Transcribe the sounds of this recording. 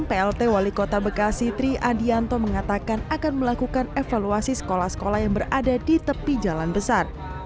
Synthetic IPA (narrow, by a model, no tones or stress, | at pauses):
ŋpeɛlt̪ewalikot̪abəkasit̪ɾiʔadiant̪ɔməŋat̪akanakanməlakukanefaluasisə̥kolahsə̥kolahjaŋbəradadit̪əpid͡ʒalanbəsar